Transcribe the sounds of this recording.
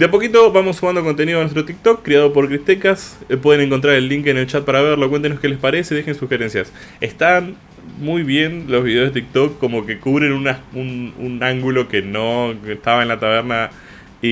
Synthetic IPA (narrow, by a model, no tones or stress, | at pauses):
d̪eap̬o̞kit̪̬o̞βamo̞sːumand̪o̞kont̪e̞niðanwest̪ɾot̪ik̚t̪okːɾiaðo̞p̬o̞ɾkɾit̪ekasp̬we̞ð̞ene̞ŋko̞nt̪̬ɾaɾe̞lːiŋkene̞lt͡ʃat̪̚paɾaβeɾlo̞kwnenoskele̞spaɾeseiðexe̞nsuxe̞ɾe̞nsjas | est̪an | mujβje̞nlo̞zβiðe̞zðet̪ik̚t̪okːo̞mo̞ke̞kuβɾe̞nunaunṵnaŋɡulo̞ke̞no̞est̪aβaenlat̪aβeɾna | i